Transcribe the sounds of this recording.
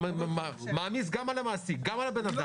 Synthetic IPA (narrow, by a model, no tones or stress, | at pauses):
mamamis̬ɡamalamasiɡamalabenada